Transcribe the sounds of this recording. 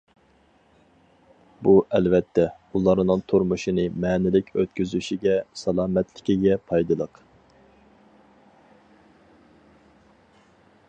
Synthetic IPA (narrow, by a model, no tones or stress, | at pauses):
buʔɛlvɛt̪ʰːɛ | ulˠɑɾnɨŋt̪ʰuɾmuʃinɨmɛːnɪlɪkʲʰøt̪̚kʲyzyʃiɡʲɛsɑlˠɑːmɛt̪lɪkʲiɡʲɛpʰɑjd̪ɨlˠəq